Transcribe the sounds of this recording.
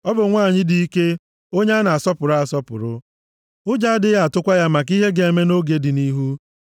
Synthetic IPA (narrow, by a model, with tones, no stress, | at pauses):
ɔ˦bʊ˨ŋʷaː˦˨ɲɪ˦dɪ˨i˦ke˦ | o˦ɲe˦a˦na˨a˨sɔ˦pʊ˨ɾa˨sɔ˦pʊ̰˨ɾʊ˦ | ʊ˦d͡ʒa˦dɪ˦ja˨tʊ˦kʷa˦ja˦ma˨k̬i˦ɦe˦ɡe˨e˨me˦no˦ɡe˨dɪ˨ni˦ɦu˦